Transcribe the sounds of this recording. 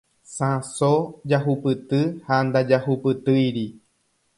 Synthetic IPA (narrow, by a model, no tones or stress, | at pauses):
sãsod͡ʒaɦupɨt̪ɨhand̪ad͡ʒahupɨt̪ɨjɾi